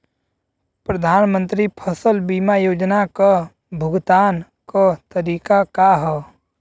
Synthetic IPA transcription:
pɾɐd̪ʱaːnmə̃nt̪ɾipʰəsəlbiːmajoːd͡ʒnaka | bʱʊɡt̪aːn | kət̪əɾiːkakaɦɛ

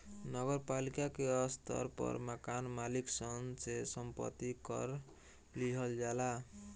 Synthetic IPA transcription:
nəɡəɾpalikakeʌst̪ə̰ɾpʌ̰ɾməkanmaliksʌŋsesəmpə̰t̪ːikʌ̰ɾ | liɦəld͡ʒala

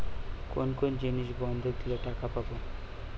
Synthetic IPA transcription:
konkond͡ʑiniʃbɔnd̪ʱok̚d̪ileʈakapabo

